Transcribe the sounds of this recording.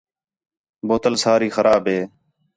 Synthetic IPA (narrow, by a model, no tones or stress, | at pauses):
boːt̪əlsaːɾiːxəɾʔaːbɦeː